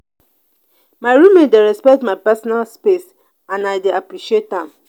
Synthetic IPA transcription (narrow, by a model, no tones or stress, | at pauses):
maɪɹumẽndeɾɛspɛk̚tmaɪpɛsɔnalspes | ãnaɪdeapɹiʃietãm